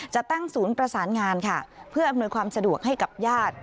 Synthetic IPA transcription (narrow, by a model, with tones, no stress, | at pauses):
t͡ɕa˨˩ʔt̪a˥˩ŋsuː˩˦npɾa˧saː˩˦nŋaː˧nkʰa˥˩pʰɯ˥˩ɐʔmnu˧jkʰwaː˧msa˧du˨˩ək̚ɦa˥˩jka˨˩p̚jaː˥˩t̪̚